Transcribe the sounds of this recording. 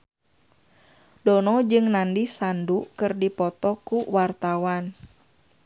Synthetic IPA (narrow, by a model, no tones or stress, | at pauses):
dɔnɔd͡ʒɨŋnandisandukɨrdipɔt̪ɔkuwart̪awan